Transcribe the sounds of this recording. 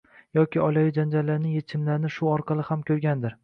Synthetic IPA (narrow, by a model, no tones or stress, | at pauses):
jɒkʲɪɒlajɪd͡ʒand͡ʒallːaɾnɪje̞t͡ʃʰɪmlaɾnɪʃʊɒɾqʰɑlˠɪhamkʲʰɵɾɡʲand̪ɪɾ